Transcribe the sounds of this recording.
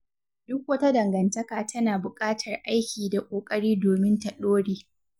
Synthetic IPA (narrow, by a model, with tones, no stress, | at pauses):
dʊ˦k̚wɐ˦ta˦dɐ˨ŋɡɐ˨ntɐ˦kaː˨tʰɐ˦naː˨bʊ˨kʼaː˦tʰɐ˨rʔa˦jkʲiː˨da˨kʷʼoː˨kʼɐ˦ɽiː˦doː˨mɪ˦ntɐ˨ɗoː˦ɽiː˦